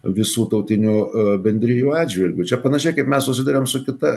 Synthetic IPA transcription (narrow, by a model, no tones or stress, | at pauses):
ʋʲɪsuːt̪ɐʊt̪ʲɪnʲuːbʲɛnʲd̪ʲɾʲɪjuːɑːd̪ʲʒʲʋʲɪlʲɡʲʊt͡ʃʲɛpɐnɐʃʲɛɪkɐɪpmʲɛssʊsʲɪd̪ɐɾʲeːmsʊkʲɪt̪ɐ